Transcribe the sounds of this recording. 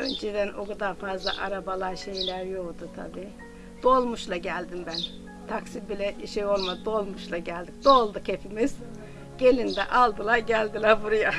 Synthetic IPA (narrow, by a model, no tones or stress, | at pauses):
ø̞nd͡ʒed̪ænoɡd̪aːfazlˠa̰ʔaɾabalˠaɾʃe̞jlʲæɾjokd̪ut̪ʰa̰biː | d̪̥o̞lˠmuʃlˠaɟælʲd̪imbæn | t̪ʰaksibilʲɛʃejo̞lˠmad̪o̞lˠmuʃlˠaɟælʲd̪ikd̪o̞lˠd̪ɯkhepʰimiz̥ | ɟ̥e̞lʲind̪ɛ̰ʔalˠd̪ɯlˠaɾɟælʲd̪ilʲˠæɾbuɾuja